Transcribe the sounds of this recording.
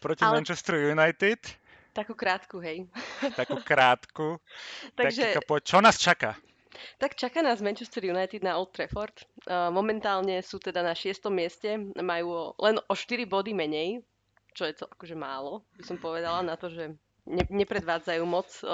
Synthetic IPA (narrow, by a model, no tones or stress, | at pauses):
pɾɔcimɛnt͡ʃɛst̪ɾujunajt̪it̪ | t̪akuːkɾaːt̪kuɦɛjt̪akukɾaːt̪kut̪aaɡʒɛpɔt͡ʃɔnaːst͡ʃaka | t̪akt͡ʃakaːnaːzmɛnt͡ʃɛst̪ɛɾjunajt̪id̪naɔlt̪ɾɛfɔɾt̪ːmɔmɛnt̪aːlɲɛsuːt̪ɛd̪anaʃɪɛst̪ɔmːɪɛscɛmajuːɔlɛnʔɔʃt̪iɾibɔd̪imɛɲɛj | t͡ʃɔjɛt͡sɔʔakɔʒɛma̰ːlɔbisɔmpɔʋɛd̪alanat̪ɔʒɛ | ɲɛɲɛpɾɛd̪ʋaːd͡zajuːmɔt͡s